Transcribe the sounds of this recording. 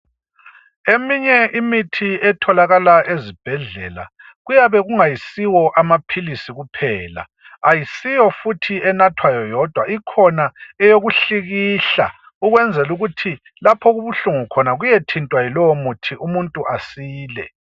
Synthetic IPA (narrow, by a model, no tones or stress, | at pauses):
emiɲɛʔimitʰiɛtʰɔlaɣalaʔezib̥ʱɛɮɛ̰la̰ | ɣujaβɛɣuŋajisiwɔʔamapʰilisiɣupʰɛːla̰ | ajisijɔfutʰiɛnatʰwajɔjɔd̥ʱwaʔikʰɔnaɛjoɣuɬiɣiɬa̰ | uɣwɛnd͡zʱɛluɣutʰi | lapʰɔɣuβuɬuŋukʰɔnaɣujetʰintʼwajilɔwɔmutʰiʔumuntʼuʔasiːlɛ̰